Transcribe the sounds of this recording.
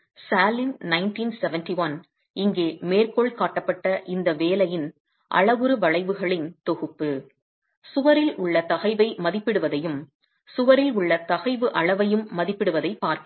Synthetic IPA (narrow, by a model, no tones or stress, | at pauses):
saːlɪnnɐɪnʈiːnsɛʋɛnʈiʋɐn | ɪŋɡeːmeːrkɔɭkaːʈːɐpːɐʈːɐʔɪnd̪ɐʋeːlɐjɪn | ʔɐ̰ɭɐʋɯɾɯʋɐɭɐɪʋɯɣɐɭɪnt̪ɔɣɯpːɯ | sʊʋɐɾɪlʊɭːɐt̪ɐɣɐɪʋɐɪmɐðɪpːɪɽɯʋɐðɐjɯm | sʊʋɐɾɪlʊɭːɐt̪ɐɣɐɪʋɯʔɐɭɐʋɐjɯmːɐðɪpːɪɽɯʋɐðɐɪpːaːɾk